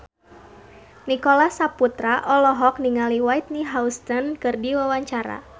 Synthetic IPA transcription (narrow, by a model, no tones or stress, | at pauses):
nikɔlasaput̪ɾaʔɔlɔɦɔk̚niŋaliwait̪̚niɦaust̪ənkɨrdiwawaɲt͡ʃaɾa̰